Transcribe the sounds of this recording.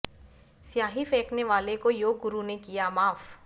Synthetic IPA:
sjaːɦifɛːkneʋaːlekojoːɡːʊɾunekijamaːf

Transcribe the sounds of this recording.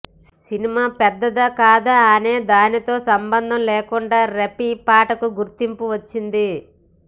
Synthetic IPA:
sinimaːpɛd̪ːɐd̪ɐkaːd̪ɐːneːd̪aːnit̪o̞ːsɐmbɐnd̪ʱɐmleːkuɳɖaːɾepipaːʈɐkuɡuɾt̪impuʋɐt͡ʃːind̪i

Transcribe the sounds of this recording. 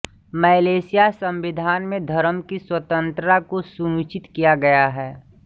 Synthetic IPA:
mɛːleːsɪjasɐ̃mʋɪd̪ʱaːnmẽd̪ʱɐɾmkiswət̪ə̃nt̪ɾəakosunut͡ʃɪt̪kijaɡɐjaɦɛː

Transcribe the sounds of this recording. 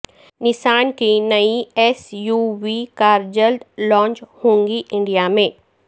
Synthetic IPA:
nɪsaːnkinɐiɛːsjuːʋikaːɾd͡ʒəld̪lɔ̃ːɲt͡ʃhũːŋɡiʔɪ̃ɳɖijamẽː

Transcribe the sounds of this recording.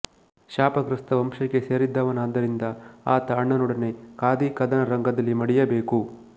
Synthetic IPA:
ʃaːpɐɡɾɐst̪ɐʋɐmʂɐkːe̞seːɾid̪ːɐʋɐnaːd̪ːɐɾind̪ɐaːt̪ɐɐɳːɐnɔɽɐne̞kaːd̪ikɐd̪ɐnɐɾɐŋɡɐd̪ɐlːimɐɽijɐbe̞ːku

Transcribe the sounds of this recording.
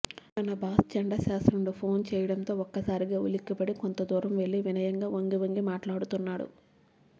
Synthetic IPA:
t̪ɐnɐbʱaːst͡ʃɐɳɖaʃaːst̪ɾɐmluːpʰoːnt͡ʃɛːjɐɽɐnt̪o̞ːɔkːɐsaːɾiɡaːṵlikːipɐɽikont̪ɐd̪uːɾɐmʋeɭːiʋinɐjɐŋɡaːʋoŋɡiʋɐŋɡimaːʈlaːɽut̪unːaːɽṵ

